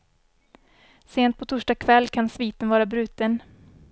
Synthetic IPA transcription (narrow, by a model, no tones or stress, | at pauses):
seːnt̪̚pʰɔt̪ʰʊʂʈakʰvɛlːkʰansviːt̪ənvɑːɾabɾʉ̟ːt̪ən